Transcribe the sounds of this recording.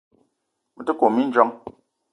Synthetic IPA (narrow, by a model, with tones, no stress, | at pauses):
mə˨tə˦ko˨mi˦n̩˦d͡ʒɔ˦ŋ